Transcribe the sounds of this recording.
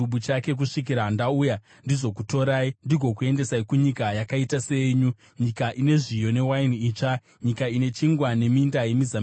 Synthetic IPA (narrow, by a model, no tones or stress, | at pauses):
uɓut͡ʃake̞k̬uʂik̬iɾandauja | ndizo̞kuto̞ɾaːindiɡʱo̞kue̞nde̞saikuɲikajakaitase̞ɲu | ɲikaʔine̞ʐijo̞ne̞wainiːt͡ʂa | ɲikaine̞t͡ʃiŋɡwane̞mindaje̞mizam